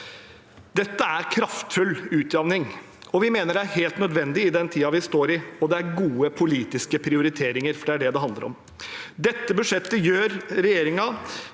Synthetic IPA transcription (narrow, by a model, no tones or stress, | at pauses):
d̪ɛt̪ːəæɾkʰɾɑft̪fʉlːʉːt̪d̪ɑʋnɪŋ | ɔʋɪmeːnəɖɛæɾɦeːlt̪nœd̪ʋɛnd̪ɪɪd̪ɛnt̪ʰiːɑʋɪst̪oːɾɪɔd̪ɛæɾɡuːəpʰʊliːt̪ɪskəpʰɾɪʊɾɪt̪ʰeːɾɪŋəɾfɔɖɛæɖɛd̪ɛɦɑnd̪ə̰ɾɔ̰m | d̪ɛt̪ːəbʉʂɛt̪ːəjøːɾɾɛjeːɾɪŋɑ